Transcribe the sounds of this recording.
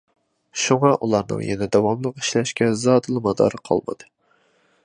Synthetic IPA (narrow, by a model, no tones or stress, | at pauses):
ʃuŋɑʔulˠɑɾnɨ̰ŋjɛnɛd̪ɑwɑmlˠəqi̥ʃlɛʃkʲɛzɑːd̪ɨlˠɨmɑd̪ɑ̰ːɾɨqʰɑ̰lˠmɨ̰d̪̥ɨ